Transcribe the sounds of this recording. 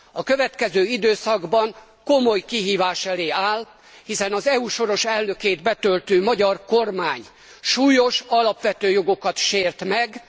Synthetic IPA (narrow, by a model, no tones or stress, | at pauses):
ɒkøvɛt̪kɛzøːid̪øːsɒɡbɒŋ | komo̞jkiɦiːvaːʃɛleːaːl | hisɛnɒzɛuːʃo̞ɾo̞ʃɛlnø̞keːd̪bɛt̪ølt̪øːmɒɟɒrkormaːɲ | ʃuːjo̞ʃɒlɒpʋɛt̪øːjo̞ɡo̞kɒt̪ʃeːrt̪mɛɡ